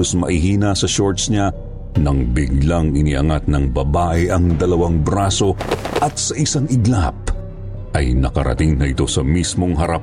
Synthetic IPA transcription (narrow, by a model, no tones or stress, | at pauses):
osmɐ̰ʔɪɦiːnɐsɐʃo̞ɹt̪sɲa | nɐŋbɪɡlaŋɪniʔɐ̰ŋat̪̚nɐŋbɐbaːʔɛʔɐŋd̪ɐlɐwaŋbɾaso̞ʔɐt̪̚sɐʔɪsaŋɪɡlap̚ | ʔɐjnɐkɐɾɐ̰t̪ɪŋnɐʔɪt̪o̞sɐmismo̞ŋɦɐɾap